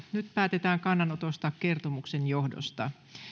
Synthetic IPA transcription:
nyt̪̚pæːt̪e̞t̪æːŋkɑnːɑnot̪ost̪ɑkke̞rt̪omuksenjo̞hdo̰st̪ɑ

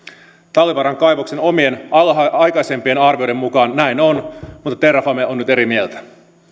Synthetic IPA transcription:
t̪ɑlːiʋɑɾɑŋkɑjʋokseno̞mie̞nɑjkɑjse̞mpie̞nɑrʋiojde̞mmukɑːnːæjnonmut̪ːɑt̪erɑfɑmeʔonːyt̪e̞ɾimielt̪æ̥

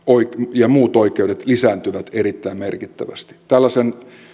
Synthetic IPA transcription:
oikjɑmuːt̪oikeuɾet̪lisæːnt̪yʋæt̪erit̪ːæimmerkit̪ːæʋæst̪i̥t̪ælːæsen

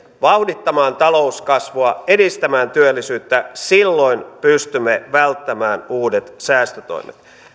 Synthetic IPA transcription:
ʋɑwdit̪ːɑmɑːnt̪ɑlo̞uskɑsʋoɑedist̪æmæːnt̪yølːisyːt̪ːæsilːo̞inpyst̪ymːeʋælt̪ːæmæːnuːdet̪sæːst̪øt̪o̰imḛt̪

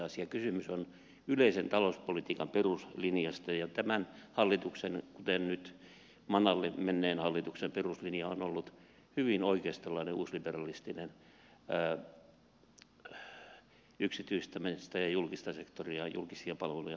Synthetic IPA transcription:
ɑsiɑkysymyson | yleisent̪ɑlouspolit̪iːkɑmperuslinijɑst̪ɑjɑt̪æmænhɑlːit̪uksenkut̪ennyt̪ | mɑnɑlːemenːeːnhɑlːit̪uksemperuslinjɑonolːut̪ | hyʋinoikeːst̪elːɑineuːsliberɑlist̪inenː | yksit̪yist̪æmest̪æjɑjulkist̪ɑsekt̪oriɑjṵlkisiɑpɑlʋelujɑ̰

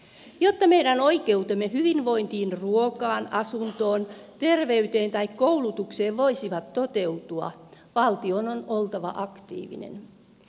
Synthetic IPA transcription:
jot̪ːɑmejdæno̞ike̞ut̪emːehyʋinʋo̞int̪iːnruokɑːnɑsunt̪o̞ːnt̪e̞rʋeyt̪eːnt̪ɑikkoulut̪ukseːʋʋo̞isiʋɑt̪ːot̪e̞wt̪uɑ̰ | ʋɑlt̪iononolt̪ɑʋɑ̰ʔɑkt̪ḭːʋḭnḛn

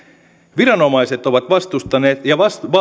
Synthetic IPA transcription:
ʋiɾɑno̞mɑjse̞t̪o̞ʋɑt̪ʋɑst̪ust̪ɑne̞ːt̪jɑʋɑsʋɑ

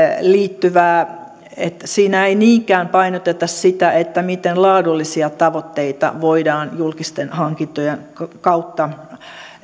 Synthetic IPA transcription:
liːt̪ːyʋæː | et̪siːnæeiniːŋkæːmpɑinot̪et̪ɑssit̪æʔet̪ːæmit̪enlɑːdulːisiɑt̪ɑʋot̪ːeit̪ɑ̰ʋoidɑːnjulkist̪enhɑŋkint̪ojenkkɑut̪ːɑ

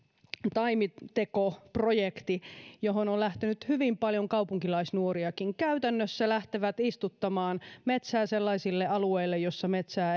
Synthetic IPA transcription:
t̪ɑimit̪ekoprojekt̪ijoɦonollæht̪enyt̪hyʋimpɑljoŋkɑwpuŋkilɑisnuoɾiɑkiŋkæyt̪ænːøsːælæht̪eʋæt̪ist̪ut̪ːɑmɑːnmet̪sæːselːɑisilːeɑlueilːejosːɑmet̪sæː

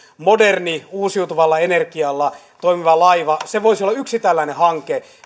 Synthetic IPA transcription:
moderniuːsiut̪uʋɑlːɑenerkiɑlːɑ | t̪oimiʋɑlɑiʋɑseʋoisiolːɑyksit̪ælːæinehɑŋke

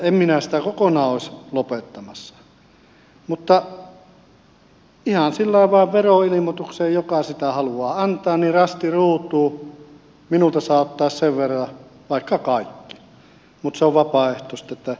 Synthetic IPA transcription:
emminæsi̥t̪ækokonɑːoˑeslopet̪ːɑmɑsːɑ̥ | mut̪ːɑ | ihɑnsilːɑˑeʋʋɑˑeʋʋeroilimot̪ukseːjjokɑsit̪æhɑluɑːɑnt̪ˑɑːnnirɑst̪iruːt̪ˑuː | minult̪ɑsɑːt̪ːɑˑːsseʋʋerːɑʋɑˑikːɑkɑˑikːi̥ | mut̪seoʋʋɑpɑˑeht̪ˑoˑst̪ɑet̪ːæ

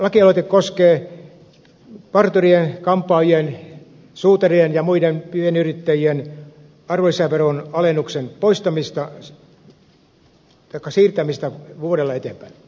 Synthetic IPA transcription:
lɑkiɑloˑt̪ekkoskeː | pɑrt̪urienkɑmpˑɑːjien | suːt̪ɑrienjɑmuidenpyhenyrit̪ːæjien | ɑrʋolisæʋeronɑlenːuksenpoist̪ɑmist̪ɑ | t̪ɑikːˑɑsiːrt̪æmist̪ɑʋuoɾelːɑet̪empæin

